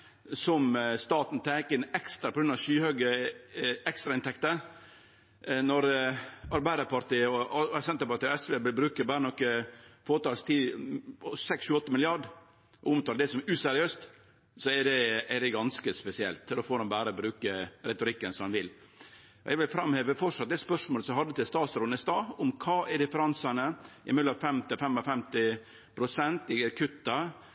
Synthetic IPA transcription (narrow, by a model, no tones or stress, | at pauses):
sɔmst̪ɑːt̪nt̪ʰæːkəɪnɛkst̪ɾɑpʰɔɡɾʉnɑʃyːhøːɡə | ɛkst̪ɾɑɪnt̪ʰɛkt̪ə | nɔɾɑɾbæɪd̪əɾpɑɾt̪iːəɔɛsɛnt̪əɾpɑɾʈ̪iːɔɛsʋeːbɪlbɾʉːkəbæːɾənɔkːəfoːt̪ɑːlst̪ʰiː | sɛksʃʉːɔt̪ːəmɪlɪɑɖ | ʔɔʊmt̪ɑːɖ̪ɛsɔmʔʉːsæɾɪøːst̪ | sɔɛɖɛɛɖɛɡɑnskəspɛsɪɛ̰lt̪d̪oːfoːɾɑmbæːɾəbɾʉːkəɾɛt̪ʊɾɪkːənsɔmɑnʋɪl | ɔɛ̰ɡʋɪlfɾɑmheːʋəfɔʂɑt̪̚ːd̪ɛspœʂmoːləsɔmhɑd̪ːət̪ɪlst̪ɑːt̪sɾʊnɪst̪ɑːʊmkʰɑːʔɛɖɪfəɾɑnsɑnəʔɪmɪd̪ləɑʋfɛmt̪ɪfɛmɑfɛmt̪ɪ | pʰɾʊsɛnt̪ɪkʰʉt̪ːɑ